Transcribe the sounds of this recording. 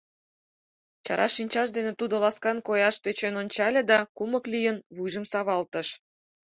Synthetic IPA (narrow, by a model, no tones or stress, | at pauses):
t͡ɕɑ̰ɾʔɑ̰ʃinʲt͡ɕɑʃ̬d̪enet̪ud̪olɑskɑnkojɑʃt̪øt͡ɕenonʲt͡ɕɑlʲĕd̪ɑkuməklʲijənβujʒəmsɑβɑlt̪əʃ